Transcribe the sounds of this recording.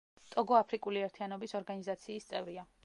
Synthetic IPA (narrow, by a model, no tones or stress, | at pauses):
t̪ʼɔɡɔapʰɾikʼuliɛɾt̪ʰianɔbisɔɾɡanizat̪sʰiːst̪sʼɛvɾia